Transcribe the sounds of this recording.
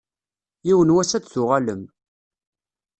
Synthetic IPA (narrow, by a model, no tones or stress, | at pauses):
jiwənwæsæt͡sθʊʁaləm